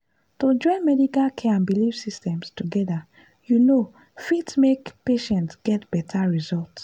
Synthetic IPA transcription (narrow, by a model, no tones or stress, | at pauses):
tod͡ʒɔ̃ɪ̃nmɛdikalkʰɛãnbilifsistɛ̃mstuɡɛda | juno | fitmekpeʃɛ̃ntsɡ̥ɛtb̥ɛtʰaɹizɔlts